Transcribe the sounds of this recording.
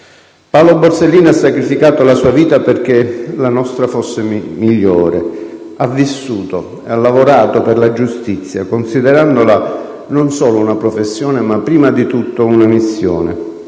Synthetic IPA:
pawloborselːiːnoasːakɾifikaːt̪olasuːaviːt̪aperk̟elanɔst̪ɾafosːemiʎːoːɾḛ | avːisːuːt̪o | ealːavoɾaːt̪operlad͡ʒust̪it̪sːja̰konsid̪eɾand̪ola | nonsoːlounapɾofesːjoːnemapːɾiːmad̪it̪ut̪ːounamisːjo̰ːnḛ

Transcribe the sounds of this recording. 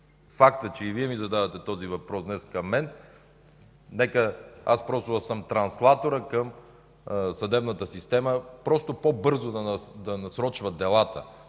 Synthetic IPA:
fakt̪ət͡ʃɛiviɛmizɐd̪avɐt̪ɛt̪ɔzivɐpɾɔsd̪nɛskɐmːɛn | nɛkəaspɾɔst̪osəmt̪ɾɐnslˠat̪oɾəkəm | sɐd̪ɛbnət̪əsist̪ɛməpɾɔst̪opobɤɾzod̪ɐd̪ɐnɐsɾɔt͡ʃvɐd̪ɛlˠat̪ə

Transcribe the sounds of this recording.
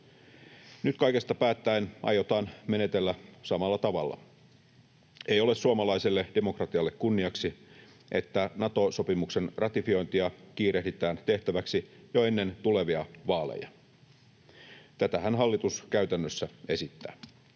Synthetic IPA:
nyt̪kɑike̞st̪ɑpæːt̪ːæenʔɑ̰jot̪ɑːnme̞ne̞t̪elːæsɑmɑlːɑt̪ɑʋɑ̰lːɑ̰ | ejo̞le̞ssuɑmɑlɑisilːed̥e̞mo̞krɑt̪iɑlːekkunːiɑksi | ʔe̞t̪ːænɑt̪o̞so̞pimukse̞nrɑt̪ifio̞jnt̪iɑk̟iːɾe̞hdit̪æːnt̪e̞ht̪æʋæksijoe̞nːe̞nt̪ule̞ʋiɑʋɑːlḛjɑ | t̪æt̪æhænɦɑlːit̪uskæyt̪ænːøsːæe̞sit̪ːæ̰ː

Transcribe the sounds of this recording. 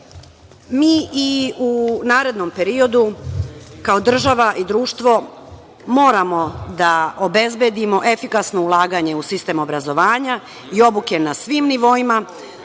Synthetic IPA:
miːiunaːɾe̞d̪no̞mpe̞ɾio̞d̪u | kao̞d̪r̩ʒaʋaʔid̪ɾuːʃt̪ʋo̞ | mo̞ːɾamo̞d̪aobe̞zbje̞d̪imo̞ʔe̞fikasno̞ulˠaːɡaɲe̞usist̪e̞ːmo̞bɾazo̞ʋaːɲa | io̞buke̞nasʋiːmniʋo̞ima

